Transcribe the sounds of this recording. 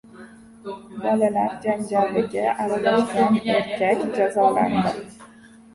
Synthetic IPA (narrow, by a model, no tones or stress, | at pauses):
bɒlalaɾd͡ʒaŋɡʲalːɪɡʲɪʔaɾalaʃɡʲaneɾkʲʰakʲd͡ʒazɒla̰nd̪ɪ